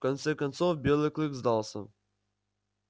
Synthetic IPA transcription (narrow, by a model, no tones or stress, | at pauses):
kɐnt̪sɛkɐnt̪sofbʲelˠɨklʲˠɨkzd̪ɑlˠsə̰